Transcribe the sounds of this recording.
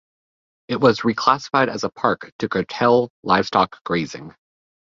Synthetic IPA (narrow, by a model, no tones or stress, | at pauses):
ɨt̚wʌzɹikʰl̥æsə̥faɪɾɨ̰zəpʰɑɹktʰɨkʰoʊtʰɛlˠlaɪv̥stɑkɡ̥ɹeɪzɪ̰̃ŋ